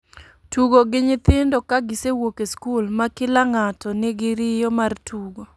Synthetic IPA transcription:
tuɡoɡɪɲɪt̪ɪndɔkaɡɪsewokeskulmakɪlaŋatɔnɪɡɪɾɪjɔmartʰuɡo

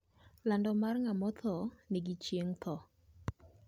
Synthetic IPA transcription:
landɔmarŋamɔt̪ʰɔnɪɡɪt͡ʃjeŋt̪ʰɔ

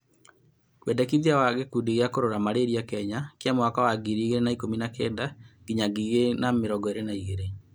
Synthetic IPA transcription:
kwɛndɛkiðiawaɣekudiɣeakoɾoɾamaɾeːɾiakɛɲakjamowakawaɡiɾiːɣeɾenaikominakɛdaɡiɲaɡiɣenameɾɔɡɔeɾenaiɣeɾe

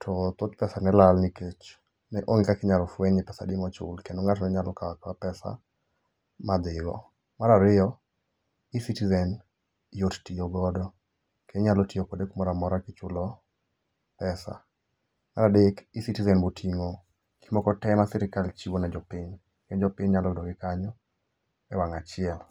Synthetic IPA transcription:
tʰɔt̪ʊt̪̚pɛsanɛlalniket͡ʃ | nɛʔoŋkakɪɲalɔfwɛɲɪpɛsa̰dɪmɔt͡ʃʊ̰lkendoŋat͡ʃnɛɲalɔkawakwapɛsa̰ | mad̪ɪɡɔ̰ | maɾaɾɪjɔ | ɪsitizɛn | jottioɡɔdɔ | keɲalɔtiokodekmɔɾamɔɾakɪt͡ʃʊlɔ | pɛsa̰ | ma̰ɾadɪkisitizɛnbotʰiŋo | kʰi̥mɔkɔtɛmasɛɾɪkalt͡ʃiwonad͡ʒɔpɪɲ | kend͡ʒɔpɪɲɲalɔdɔɡɪkaɲɔ | ɛwaŋat͡ʃɪɛl

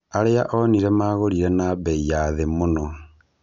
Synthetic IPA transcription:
aɾeaʔoniɾemaːɣoɾiɾenaβeijaðemono

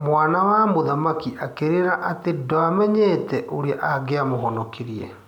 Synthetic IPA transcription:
mwaːnawamoðamakiʔakeɾeɾaʔatedɔamɛɲetɛʔoɾeaʔaɡeamoɦɔnɔkeɾiɛ̰

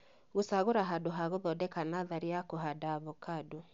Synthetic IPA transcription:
ɣosaɣoɾaɦadoɦaɣoðɔdɛkanaðaɾiakoɦadaβokado

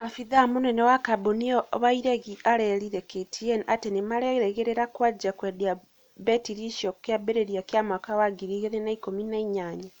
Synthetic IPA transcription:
afiðamonɛnɛwakaboniɔβaiɾɛɣiʔaɾɛɾiɾɛketʰiɛnʔatenemaɾɛɾɛɣeɾeɾakwad͡ʒakwɛdea | bɛtiɾiʃiɔkjabeɾeɾijakjamakawaɡiɾiɣeðenaikominaiɲaɲa

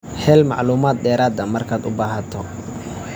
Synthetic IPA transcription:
hɛːlmɑ̰ʕluːmaːd̪̚ɖɛːɾaːd̪ɐmɐrkʰaːd̪ʊ̰baːɦɐt̪ʰɔ

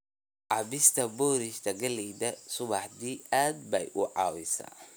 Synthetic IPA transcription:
ʕɑbɪst̪ʰɐbɔːɾɪʃt̪ʰɐɡɐliːd̪ɐsʊβɑħd̪iːaːd̪̚bɛjʔʊʕɑ̰ːwɪ̰sa̰ː

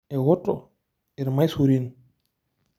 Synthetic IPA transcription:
ɛwɔtːɔ̰ | iɾmajsuɾin

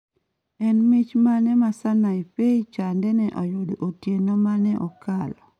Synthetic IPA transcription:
ɛnmɪt͡ʃmanɛmasanaipeit͡ʃandɛnɛʔɔjodoʔotjenɔmanɛʔɔkalɔ

